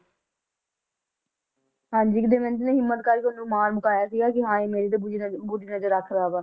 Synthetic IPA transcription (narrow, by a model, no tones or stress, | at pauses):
ɦãːɲd͡ʒiːkɪd̪eːmɛ̃ːnt̪̬ɪnẽːɦɪmːət̪kaːɾkːʊnũːmaːɾməkaːjaːsiɡaːkɪɦãːeːmeːɾeːd̪eːd͡ʒbʊɖiːnəzəɾːəkʰɾaːʋaː